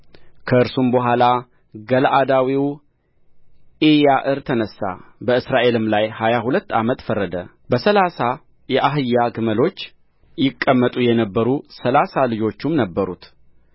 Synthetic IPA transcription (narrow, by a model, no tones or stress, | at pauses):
kʰəɨɾsumbəɦʷala | ɡəlʔad̪awiw | ʔejaʔɨɾt̪ʰənəsːa̰bəɨsɾaʔe̞lɨmlajhajahulət̪ːamət̪fərːəd̪ə | bəsəlasa | jɛʔaɦɨjːaɡɨməlo̞t͡ʃː | jɪkʼːəmːət̪ʼujɛnəbːəɾusəlasalɨd͡ʒo̞t͡ʃːumnəbːəɾut̪